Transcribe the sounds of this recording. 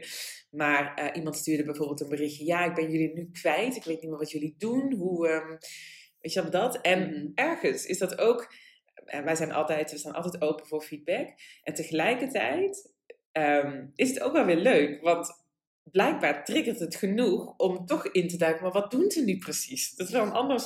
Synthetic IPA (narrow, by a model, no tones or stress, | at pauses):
maːrəʔimɑntstyːɹdəbɛjvoːɹbɪːlˠtənbərɪxjəjaːɪɡ̚bɛnjɵlinykʋɛjtɪkʋejt̚nitmɪːɹʋɑtjɵlidunɦuəmʋejtʋɛlˠdɑtɛnɛɹχənsɪ̰zdɑtowk | ʋɛjzɛjnʔɑ̰lˠtɛjtʋəsaːnʔɑ̰lˠtɛjtowpəvʊːɹfid̚bɛkʔɛntəχəlɛjkəɹtɛ̰jt | əmɪsəto̰wkʋɛlˠʋɪːɹløɥkʋɑnt | blɛjɡ̚baːɹtrɪɡəltɦətχənuxɔmtɔχɪntədœɥkənmaːɹʋɑt̚dunzənyprəsisdɑtʋɛənɑ̰ndəɹs